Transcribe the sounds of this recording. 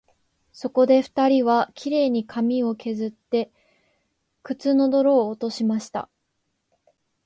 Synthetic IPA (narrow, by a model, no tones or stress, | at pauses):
so̞ko̞d̪e̞ɸɯ̟̥t̪aɾʲiβakʲiɾe̞ːɲ̟ikʰamʲio̞kʰe̞zɨt̪ːe̞ | kɯ̟t͡sɨno̞d̪o̞ɾo̞ːt̪o̞ɕimaɕi̥t̪a̰